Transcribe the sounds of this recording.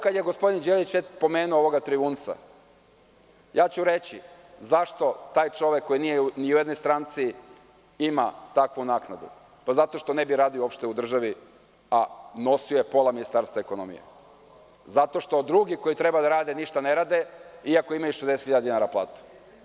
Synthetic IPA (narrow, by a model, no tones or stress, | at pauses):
kad̪jeɡo̞spo̞d̪ind͡ʑelit͡ɕʋet͡ɕpo̞meːnuooʋo̞ɡat̪ɾiʋuːnt̪sa̰ | jaːt͡ɕuɾe̞t͡ɕi | zaʃt̪o̞t̪aːjt͡ʂo̞ʋekːo̞jinijeniujed̪no̞jst̪ɾant̪si | imat̪akʋunaːknad̪ṵ | pazat̪o̞ʃt̪o̞nebiɾaːd̪ioopʃt̪e̞ud̪r̩ʒaʋi | ano̞sioje̞po̞laminist̪aɾst̪ʋaeko̞no̞̰mḭjḛ | zat̪o̞ʃt̪o̞d̪ɾuɡiko̞jit̪ɾebad̪aɾaːd̪eniʃt̪aneɾaːd̪eiakoimajuʃezd̪eset̪xiʎad̪d̪inaːɾaplˠa̰ːt̪u̥